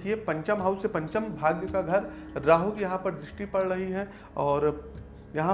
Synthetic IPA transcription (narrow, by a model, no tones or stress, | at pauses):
kʰiepɐ̃ɲt͡ʃəmɦaʊsepɐ̃ɲt͡ʃəmbʱaːɡjəkaɡʱɐɾː | aːɦokjɐɦãpɐɾd̪ɾɪʃʈipɐɽɾɐɦiɦɛː | ɔːɾ | jɐɦã